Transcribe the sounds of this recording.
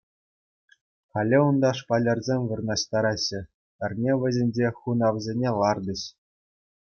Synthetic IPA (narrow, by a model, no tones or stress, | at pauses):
χɑlʲːɘund̪ɑʂpɑlʲerzʲemʲʋɯ̆rnɑɕt̪ɑɾɑɕːɘ̆ | ɘ̆rʲnʲeʋʲɘ̆zʲenʲd͡ʑeχunɑʋzʲenʲelˠɑrd̪ɤ̆ɕ